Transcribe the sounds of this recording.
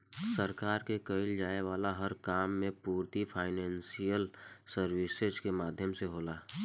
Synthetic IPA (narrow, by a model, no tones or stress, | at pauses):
səɾkaːɾkekəɪld͡ʒaːeʋaːlaɦəɾkaːmːẽpuːɾt̪ipʰaːɪnɛ̃ːnsijəlsəɾwisezkemaːd̪ʱjəmseɦoːlaː